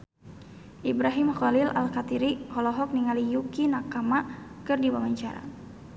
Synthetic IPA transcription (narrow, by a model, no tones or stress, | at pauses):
ʔibɾaɦimxɔlilʔa̰lkat̪iɾihɔlɔɦɔk̚niŋalijukinakamakɨrdiwamaɲt͡ʃaɾa̰